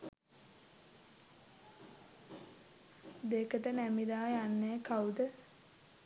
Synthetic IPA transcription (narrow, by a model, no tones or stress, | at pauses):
d̪eːkəʈənæmid̪aːjanːeːkaud̪ə